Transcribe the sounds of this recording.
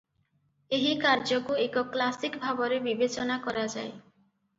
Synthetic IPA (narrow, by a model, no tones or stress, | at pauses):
eɦikaɾd͡ʒokuekɔklasikbʱabɔɾebibet͡ʃɔnakɔɾad͡ʒae